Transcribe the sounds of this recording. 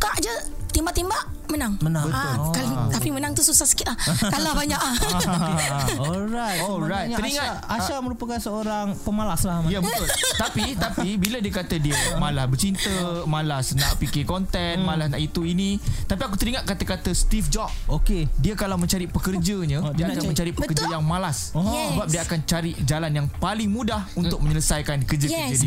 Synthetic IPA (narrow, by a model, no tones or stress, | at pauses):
kaʔd͡ʒət̪imbaʔt̪imbaʔ | mənaŋmənãbət̪ʊkalt̪apimənaŋt̪ususahsə̥kiʔahkalabaɲaʔa | ɔlɾajtɔlɾajt̪ɲaəɾiŋãt | aʃamə̃ɾupakansəoɾaŋpəmalaslamajabət̪ʊlt̪apit̪apibilədiəkat̪ədiəmalahbərt͡ʃint̪əmalasnaʔpikɪkɔnt̪ɛnmalasnaʔit̪uinit̪apiak̬ut̪əɾiŋaʔ̪̚kat̪əkat̪əst̪ifd͡ʒɔk̚okediəkalawmə̃ɲt͡ʃaɾipəkərd͡ʒəɲə̃diəkamə̃ɲt͡ʃaɾipəkərd͡ʒəjaŋmalassəbap̚diəakant͡ʃaɾiʔd͡ʒalanjaŋpalɪŋmũdahunt̪ʊk̚mə̃ɲələsajkankərd͡ʒəkəd͡ʒdi